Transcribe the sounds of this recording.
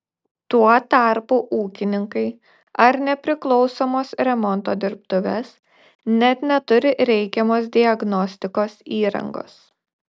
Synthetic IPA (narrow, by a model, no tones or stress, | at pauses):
t̪uɔt̪ɐɾpuʔuːkʲɪnʲɪŋkɐɪ | ɐɾnʲɛpʲɾʲɪklˠɒʊsoːmoːsɾʲɛmɔnˑt̪oːd̪ʲɪɾp̚t̪ʊʋʲɛs | nʲɛt̪nʲɛt̪ʊɾʲɪɾʲɛɪkʲɛmoːsd̪ʲɪɐɡnɔsʲt̪ʲɪkoːsiːɾɐ̰ŋɡo̰ːs